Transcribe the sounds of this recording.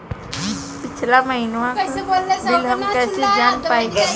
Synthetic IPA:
pɪt͡ʃʰlaməɦɪnʋãkd̪ɪlɦɐmkɛːsed͡ʒaːnpaːeɡa

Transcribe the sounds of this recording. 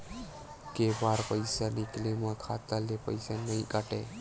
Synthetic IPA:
kebaɾpəjsaniklemãkʰat̪əlepəjsanəjkaʈe

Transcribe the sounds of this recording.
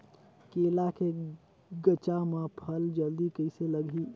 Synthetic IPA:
kelakʰe | ɡət͡ʃamãpʰəld͡ʒəld̪ikəɪseləɡʱi

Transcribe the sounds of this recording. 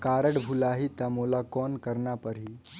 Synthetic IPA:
kaːɾəɽbʱulaɦit̪əmolakɔnkəɾɳapəɾɦi

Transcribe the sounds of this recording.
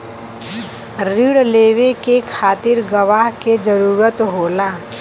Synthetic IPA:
ɾiɽleːʋekekʰaːt̪ɪɾɡəʋaːɦked͡ʒəɾuːɾət̪ɦoːlaː

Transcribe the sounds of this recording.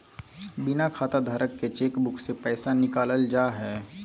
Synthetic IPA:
bɪnakʰaːt̪ad̪ʱaːɾəkːet͡ʃeːkbʊkʰsepɛːsanɪkaːləld͡ʒaːɦɛː

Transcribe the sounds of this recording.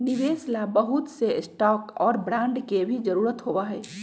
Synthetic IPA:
nɪʋeːslabəɦʊt̪sesʈɔːkɔːɾbɾãːɳɖkebʱid͡ʒəɾuːɾət̪ɦoːʋaɦɛː

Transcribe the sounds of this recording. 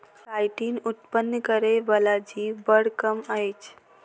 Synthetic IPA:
ʈajʈiːnut̪pənːkəɾeʋəlad͡ʒibəɽkəmajt͡ʃ

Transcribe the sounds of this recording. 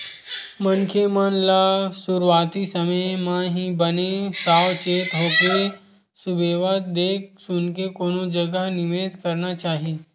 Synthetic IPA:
mənkʰemənlasʊɾwaːt̪isɐməjmãɦibənesaːwt͡ʃeːt̪ɦoːke | sʊbeːʋaːt̪d̪eːk̚sʊnkekoːnõd͡ʒɐɡənɪʋeːzkɐɾnat͡ʃaːɦie

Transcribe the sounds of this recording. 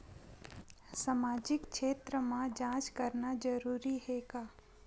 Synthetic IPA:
samaːd͡ʒɪkʃʰeːt̪ɾəmãd͡ʒãːt͡ʃkəɾnad͡ʒəɾuːɾiheɡaː

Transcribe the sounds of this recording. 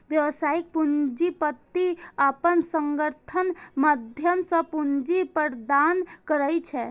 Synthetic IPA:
ʋjəʋsaːik̚pund͡ʒipət̪ːiapənsə̃ŋɡəɾt̪ʰənməd̪ʱjəmsə̃pund͡ʒipəɾd̪aːnkəɾəit͡ʃʰɛː

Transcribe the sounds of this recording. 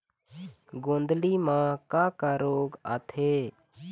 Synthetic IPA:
ɡõːnd̪limãːkaːkaɾoːɡa̰ːt̪ʰeː

